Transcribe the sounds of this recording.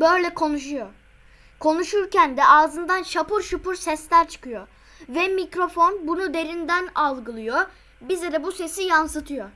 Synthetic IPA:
bø̞jlʲɛkʰo̞nuʃujo | kʰo̞nuʃuɾcænd̪ɛʔaːzɯnd̪anʃapuɾʃupuɾsɛslʲæɾt͡ʃʰɯ̥kɯjo | vɛmicɾo̞fo̞nbunud̪e̞ɾind̪ænalˠɡɯlˠɯjo | bizid̪ɛbuse̞sijansɯt̪ʰɯjo

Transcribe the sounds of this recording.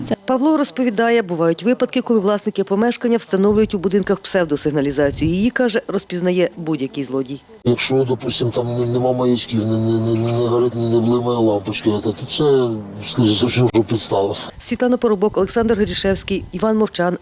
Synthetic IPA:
pɐʋlˠɔɾɔspɔʋʲid̪ɑjɛbʊʋɑjʊtʲʋɪpɐd̪̚kɪkɔlˠɪʋlˠɑsnɪkɪɐpɔmɛʃkɐnʲːɐwst̪ɐnɔwlʲʊjʊtʲubʊd̪ɪnkɐxpsɛwd̪ɔsɪɦnɐlʲizɑt͡sʲijʊjijikɑʒɛrɔspʲiznɐjɛbudʲjɐkɪjzlˠɔdʲij | jɐkʃt͡ʃɔd̪ɔpusʲtʲimt̪ɑmnɛnɛmɑmɐjit͡ʃkʲiwnɛnɛnɛnnɛɦɐɾɪt̪nʲinɛblˠɪmɐjlˠɑmpɐt͡ʃkɪɐt̪ɐt̪ut͡ʃsɛskɐʒisʲɐwsʲiʒɔpʲit̪st̪ɑlˠɪsʲʋʲit̪lˠɑnɐpɔɾɔbɔkɔlˠeksɑnd̪rɦɔɾʲiʃɛwsʲkijiʋɑnmɔwt͡ʃɑn

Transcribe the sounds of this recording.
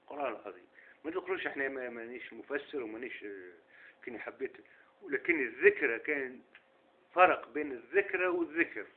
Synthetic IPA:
qʊɾˤɑnəlʕɑðˤḭːmmæt̪əd̪qʊluʃʔəħnæmæmæniːʃmʊfæsːəɾwmæniʃ | kæniħabːit̪ | wlækɪnːəðːɪkɾˤakæːn | fɑɾˤɑqbiːnəðːɪkɾawəðːɪkɾ

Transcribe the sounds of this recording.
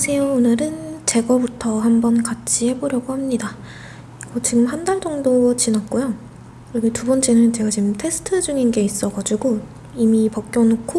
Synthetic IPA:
sʰe̞joonɯɾɯnt͡ɕe̞ɡʌbutʰʌɦambʌnkat͡ɕʰihe̞boɾjʌɡohamɲida | ɡʌt͡ɕiɡɯmɦandaɭd͡ʑʌŋdot͡ɕinat̚k͈ujo | kketubʌnt͡ɕ͈enɯnt͡ɕe̞ɡat͡ɕimtʰe̞sʰɯ̥tʰɯd͡ʑuŋinɡe̞is͈ʌɡad͡ʑiɡo | imipʌk̚k͈jʌnokʰo

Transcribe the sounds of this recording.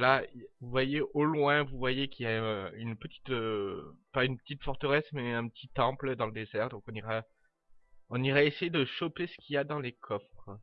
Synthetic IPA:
laivuvwajeʔolwɛ̃vuvwajekʲiljaynpət̪i̥t̪øpaynpə̥t̪it̪fɔʁt̪əʁɛsmɛɛ̃pət̪it̪ɑ̃pləd̪ɑ̃ləd̪ezɛʁd̪ɔ̃kɔ̃niʁa | ɔ̃niʁɛesejed̪əʃɔpesə̥kʲiad̪ɑ̃lekʰɔfχχ

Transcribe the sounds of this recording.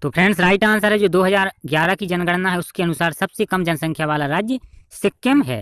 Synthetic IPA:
t̪oːpʰɾɛ̃ɳɖsɾaːɪʈaːns̬aːɾɦɛd͡ʒoːd̪oːɦəzaːɾɡjaːɾakid͡ʒɐnɡəɽnaɦɛʊskeɐnʊsaːɾsɐbsekɐmd͡ʒɐnsɐ̃ŋkʰjaʋaːlaɾaːd͡ʒjəsɪkːəmɦɛ̰ː

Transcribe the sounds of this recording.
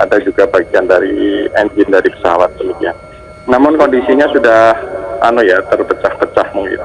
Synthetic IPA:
ʔadad͡ʒuɡabaɡiandaɾiɛɲd͡ʒɪndaɾipə̥səɦawat̪̚dəmikian | namʊnkondisiɲasudahanujat̪ərpət͡ʃahpət͡ʃahməŋɡḭt̪

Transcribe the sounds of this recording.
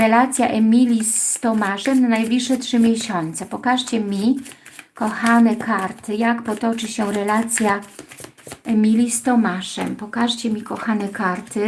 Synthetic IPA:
ɾɛlat̪sʲjaʔɛmʲilʲist̪ɔmaʂɛmnanajblʲiʂːɛtʂɘmʲjɛɕɔnt̪sɛpɔkaʂt͡ɕɛmʲi | kɔxanɛkʰaɾt̪ɘjakpɔt̪ɔt͡ʂɘɕɛɾɛlat̪sʲja | ɛmʲilʲist̪ɔmaʂɛ̰mpɔkaʂt͡ɕɛmʲikɔxanɛkaɾt̪ɘ

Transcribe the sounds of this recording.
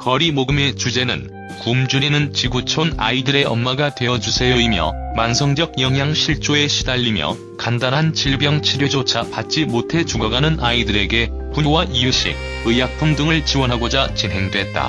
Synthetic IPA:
kʌɾimoɡɯme̞t͡ɕud͡ʑe̞nɯ̰n | kumd͡ʑuɾinɯnt͡ɕiɡut͡ɕʰona̰idɯɾe̞ʌnmaɡatwe̞jʌd͡ʑusʰe̞jʌimjʌ̰mansʰʌŋd͡ʑʌɡ̚jʌŋɦjaŋɕʰiɭt͡ɕ͈oe̞ɕʰidaʎːimjʌ̰ | kandanɦant͡ɕiɭbjʌŋt͡ɕʰiɾjod͡ʑot͡ɕʰapat̚t͡ɕ͈imotʰe̞t͡ɕuɡʌɡanɯnaidɯɾe̞ɡe̞ | puɲowaʔiuɕ͈ʰḭk̚ | ɯjak̚pʰumdɯŋɯɭt͡ɕiwʌnɦaɡod͡ʑat͡ɕinɦe̞ŋdwe̞t̚t͈a̰

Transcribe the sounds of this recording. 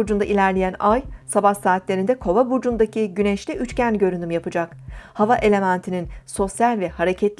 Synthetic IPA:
ud͡ʒund̪aʔilʲæɾlʲejænajsabahsaːt̪lʲe̞ɾind̪ɛkʰo̞vabud͡ʒund̪acʰiɟyneʃlʲiʔyt͡ʃcænɟø̞ɾynymjapɯd͡ʒakhavaʔe̞lʲe̞mænt̪ʰininso̞sjalʲvɛhaɾe̞cʰɛt̪lʲ

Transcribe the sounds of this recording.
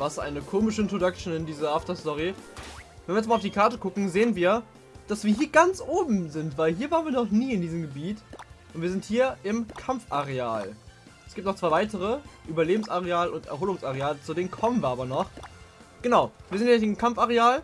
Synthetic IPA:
vasʔa̰ɪnəkʰoːmɪʃəɪntʁodakʃn̩ɪndiːzɐʔaftɐstɔʁ̞i | vɛnviɐɛt͡smalʊfd̥iːkʰaɐtəkʰʊkŋ̩zeːənviːɐ | d̥asv̥iːɐɦiːɐɡant͡sʔoːbm̩zɪntv̥aɪlɦiːɐvaːʁənviːɐnɔχniːɪndiːzəmɡəbiːtʔʊntviɐzɪnthiːɐʔɪmkʰamfʔaʁ̞ea̰ːl | ɛsɡiːp̚tnɔχt͡sv̥aɪvaɪtəʁ̞əʔyːbɐleːbm̩saʁ̞eaːləʊntɛ̰ɐɦoːlʊŋsaʁ̞eaːlət͡sudeːnənkʰɔmənviːɐaːbɐnɔχ | ɡ̥ənaʊv̥iːɐzɪntjɛɪmkʰamfaʁeaːl

